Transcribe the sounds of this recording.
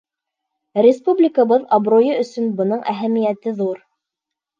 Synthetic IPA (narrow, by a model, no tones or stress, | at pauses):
ɾʲɪspublʲɪkəβɤðɑbrojɤɵ̆sɵnbɤ̆nɤɴʔæɦæmijæt̪ɘðuɾ